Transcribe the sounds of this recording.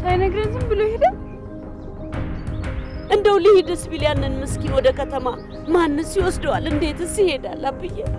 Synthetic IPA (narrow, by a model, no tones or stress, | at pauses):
sajnəɡɾenzɨmbɨlohed̪əw | ʔɨnd̪əwlihid̪əsβilijanːɨnmɨskinwɔd̪əkʰət̪ʰəma | manːɨsiwɔsd̪əwalɨnd̪e̞t̪ɨsihe̞d̪a̰lːabɨjːɛ